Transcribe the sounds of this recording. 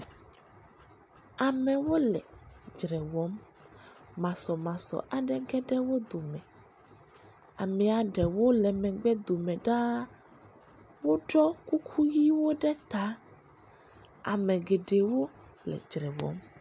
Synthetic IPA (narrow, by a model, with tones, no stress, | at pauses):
a˨mɛ̃˨wo˦lɛ˨d͡ʒɾɛ˨wɔ˨˦mː | ã˨sɔ˨mã˨sɔ̰˨ʔa˨ɖɛ˦ɡɛ˦ɖɛ˦wo˦d̪o˨mɛ̃˨ | a˨mɛ̃˨a˨ɖɛ˨wo˦lɛ˨mɛ̃˨ɡ͡bɛ˦d̪o˨mɛ̃˨ɖa˦ | wo˦ɖɔ˦ku˦kʰu˦ji˦wo˦ɖɛ˦t̪a˦ | a˨mɛ̃˨ɡe˨ɖe˨wo˦ | plɛ̰˨d͡ʒɾɛ˨wɔ̰˦m